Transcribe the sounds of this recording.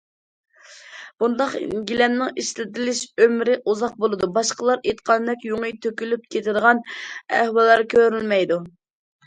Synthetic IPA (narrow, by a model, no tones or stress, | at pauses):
b̥und̪ɑqɡʲilɛmnɪŋiʃlɪt̪ɪlɪʃømɾɪʔuzɑq̚bolˠɨd̪ubɑʃqəlˠɑɾet̪qʰɑnd̪ɛkʲjoŋɨjt̪ʰøkʲylyp̚kʲʰet̪ʰɪd̪əʁɑnæ̰hwɑlˠːɑɾkʲʰøɾylmɛjd̪u